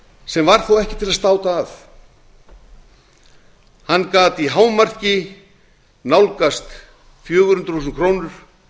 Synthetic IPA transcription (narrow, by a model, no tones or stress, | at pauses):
sɛmvaɾ̥θowɛhcɪ̥t̪ʰɪlast̪aːwt̪aːf | hanːkaːt̪iɦaːwmar̥cɪ | nawlkast̪ | fjœːɣʏ̥hʏnt̪ɾ̥usʏnkʰɾoːwnʏɾ̥